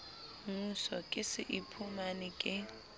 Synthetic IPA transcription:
ŋusɔkʼɪsɪʔipʰumanikʼɪ

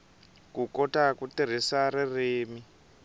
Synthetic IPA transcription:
kukɔtakutiɾ̤isaɾireːmi

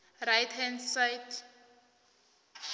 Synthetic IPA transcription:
rajthɛ̃nsajtʰ

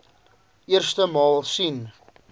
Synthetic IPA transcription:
ʔiərstəmɑːlˠsin

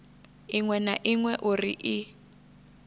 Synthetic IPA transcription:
iŋwɛnaʔiŋwɛʔurḭʔi

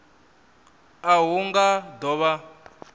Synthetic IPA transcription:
aɦuŋɡadɔβa

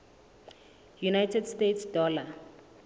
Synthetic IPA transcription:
junajtʰɛdstetʰsd̥ɔːla

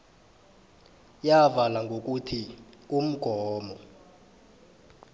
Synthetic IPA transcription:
javalaŋɡʱok̬utʰium̩ɡ̥ʱɔːmɔ

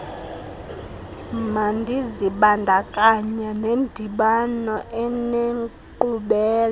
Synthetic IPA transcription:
mandʱiziɓandʱakʼaɲanendʱiɓanɔʔɛneŋ | ǃuɓɛːl

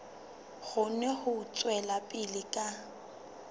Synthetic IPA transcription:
ɣʊnɛhʊt͡sʼwɛlapʼɪlɪkʼa

